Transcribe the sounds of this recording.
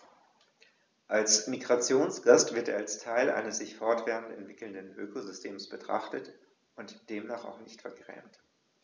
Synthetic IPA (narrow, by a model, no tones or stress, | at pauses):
ʔalsmiɡʁat͡sjoːnsɡ̥astv̥ɪɐtḛːɐalstʰaɪlʔa̰ɪnəsz̥ɪçfɔɐtv̥ɛːʁəntɛ̰ntv̥ɪkl̩ndənʔøːkozʏstʰeːmsb̥ətʁ̥a̰χtət | ʊntd̥eːmnaːχa̰ʊxnɪçtfɛɐɡʁɛ̰ːmt